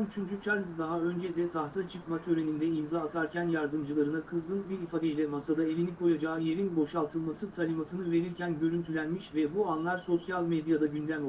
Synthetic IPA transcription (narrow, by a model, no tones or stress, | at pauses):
myt͡ʃʰynd͡ʒut͡ʃʰaɾzd̪aɦaø̞nd͡ʒɛd̪ɛt̪ʰaht̪ʰat͡ʃʰɯkmat̪ʰø̞ɾe̞nind̪ɛimzaːt̪ʰaɾcænjaɾd̪ɯmd͡ʒɯlˠaɾɯnakʰɯzlˠɯnbiɾifaːd̪eilʲɛmasad̪ae̞lʲinikʰo̞jad͡ʒaːɯje̞ɾinbo̞ʃalˠt̪ʰɯlˠmasɯt̪ʰalʲimat̪ʰɯnɯve̞ɾiɾcʰænɟø̞ɾynt̪ʰylʲænmiʃvɛbuanlˠaɾso̞sjalʲmed̪jad̪aɟynd̪æm